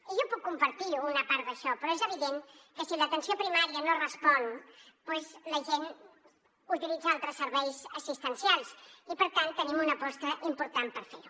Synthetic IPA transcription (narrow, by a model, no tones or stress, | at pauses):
ʒɔpukːumpəɾt̪iuːnəpaɾt̪d̪əʃɔpɾɔezəβ̞iðenkəsilət̪ənsiopɾimaɾiənorəspɔn | pwezləʒen | ut̪ilid͡zəalˠt̪ɾəsːəɾβɛjzəsist̪ənsialˠsipəɾt̪ant̪ːənimunəpɔst̪əʔimpuɾt̪ampəɾfeɾu